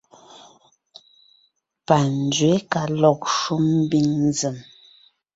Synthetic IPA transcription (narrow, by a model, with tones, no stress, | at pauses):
pa˨n˨d͡zɥe˨˦ka˨lɔ˨k̚ʃu˦mm̩˦bi˦ŋn˦zə˨m